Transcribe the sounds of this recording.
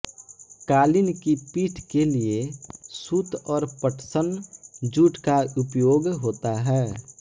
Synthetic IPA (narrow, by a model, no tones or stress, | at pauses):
kaːlɪnkipiːʈʰkeliesuːt̪ɔːɾpəʈʰsənd͡ʒuːʈkaʊpjoːɡɦoːt̪aɦɛː